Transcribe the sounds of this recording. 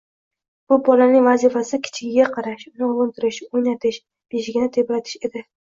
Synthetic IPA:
b̥ʊbɒlanɪŋvazifasɪkʲʰɪ̥t͡ʃʰɪɡʲɪɡʲaqʰɑɾaʃʊnɪʊlˠʊnt̪ʰɪɾɪʃojnat̪ʰɪʃ | b̥eʃɪɡʲɪnɪt̪ʰepɾat̪ʰɪ̥ʃe̞d̪ɪ

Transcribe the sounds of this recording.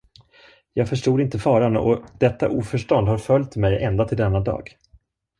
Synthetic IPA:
jɑːɡfœʂʈuːd̪ɪnt̪əfɑːɾanɔ̰d̪̥ɛt̪ːa̰ʔuːfœʂʈɔnd̪haɾfœlʲjt̪mɛjɛnd̪at̪ʰɪld̪ɛnːad̪ɑ̰ːɡ

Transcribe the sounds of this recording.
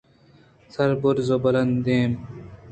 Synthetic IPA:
sɐɾbʊɾzobɐlɐnd̪eːm

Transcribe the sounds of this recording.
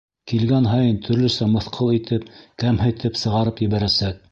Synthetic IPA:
kilɡænɦɑjɤnt̪ʰɵ̆ɾlɵ̆sæmɤ̆θqʰɤlˠit̪ʰɘp̚kæmɦæ̆jt̪ʰɘpsɤ̆ʁɑɾɤpjɘ̆βæɾæsæk̚

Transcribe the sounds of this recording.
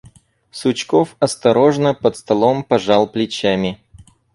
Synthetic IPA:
sʊt͡ɕkofɐst̪ɐɾo̞ʐnəpət̪st̪ɐlˠompɐʐɑlˠplʲɪt͡ɕæmʲɪ

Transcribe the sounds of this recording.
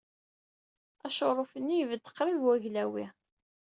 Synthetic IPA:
æʃoɾˤofənːijvəd̪ə̥qːɾivwæʝlæwḭ

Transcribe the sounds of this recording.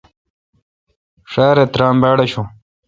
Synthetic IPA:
ʂaːɾet̪ɾaːmbaːɽɐɕũ

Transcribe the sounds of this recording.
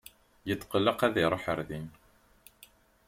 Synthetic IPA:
jət͡sːqəlːəqæðiɾˤoħəɾðin

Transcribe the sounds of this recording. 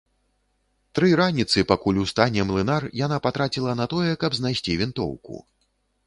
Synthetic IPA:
t̪ɾɨɾanʲit̪sɨpakulʲust̪anʲɛmlˠɨnarjanapat̪ɾat͡sʲilˠɐnat̪ɔjɛkɐbznajsʲt͡sʲivʲint̪ɔ̰wkṵ

